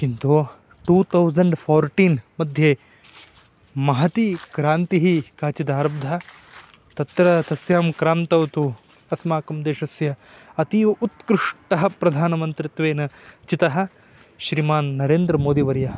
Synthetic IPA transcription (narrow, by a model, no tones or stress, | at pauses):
kint̪o | ʈuːt̪ʰɐwzɐɳɖpʰoːɾʈiːnmɐd̪ʱjeː | mɐɦɐt̪ikɾaːnt̪iɦikaːt͡ʃid̪aːɾɐb̚d̪ʱɐ | t̪ɐt̪ɾɐt̪ɐsjaːmkɾaːnt̪ɐwt̪u | ɐsmaːkɐmd̪eːʃɐsjɐ | ɐt̪iut̪kɾɪʂʈɐɦɐ̆pɾɐd̪ʱaːnɐmɐnt̪ɾit̪ʋeːnɐt͡ʃit̪ɐɦɐ̆ | ʃɾimaːnːɐɾeːnd̪ɾɐmoːd̪iʋɐɾjɐ